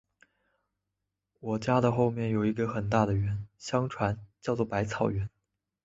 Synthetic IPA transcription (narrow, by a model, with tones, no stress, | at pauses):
wɔ˨˩t͡ɕja˥d̪ə˨xo˥˧ʊmjɛ˥˩njo˨˩ʊi˧˥ɡə˧xə˨˩nt̪̬a˥˩d̪ə˩ɥɛ˧˥nɕjɑ˥ŋʈ͡ʂʰwa˧˥nt͡ɕjɑ˥˧ʊt͡swɔ˥˩pa˧˥ɪt͡sʰɑ˨˩ʊɥɛ˧˥n